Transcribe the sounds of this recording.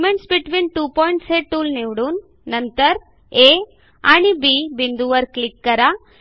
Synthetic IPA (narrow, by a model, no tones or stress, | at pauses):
mẽɳʈsbiʈʋĩːnʈuːpɔjɳʈseːʈuːlniʋɽunː | ɐnt̪əɾ | e | aɳibibind̪uʋɐɾklikːɐɾa